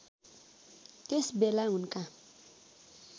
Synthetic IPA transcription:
t̪esbelaɦunka

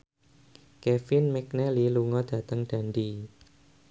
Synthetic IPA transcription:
kɛfɪnmɛk̚nɛliluŋɔd̥ä̤t̪əŋɖ̥a̤ndi

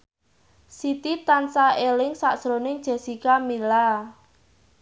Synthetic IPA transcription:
sit̪it̪ansaelɪŋsaʔʒ̥ɾonɪŋd̥ʒ̥a̤sikamila

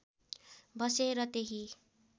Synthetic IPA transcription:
bʌseɾʌt̪eɦi

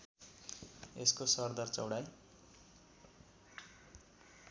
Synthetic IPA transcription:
ḛskosʌrd̪ʌrt͡sʌ̰wɽaj

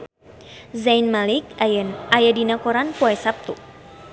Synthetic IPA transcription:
zanmalik̚ajadinakɔɾanpuɛsap̚t̪u

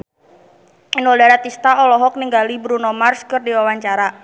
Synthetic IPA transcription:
inwɔdaɾat̪ist̪aɔlɔɦɔk̚niŋɡalibɾunɔmarskərdiwawaɲt͡ʃaɾa

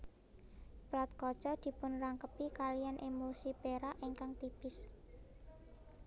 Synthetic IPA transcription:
plat̪̚kɔ̥t͡ʃɔd̪̥i̤pʊnraŋkəpikalijanʔemosipeɾaʔiŋkaŋt̪ipɪs

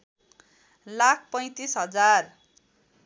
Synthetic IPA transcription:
lakʰpʌj̃t̪isɦʌd͡zar

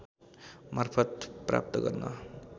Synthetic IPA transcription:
maɾpʰʌt̪pɾa̰p̚t̪ʌɡʌ̰ɾna̰

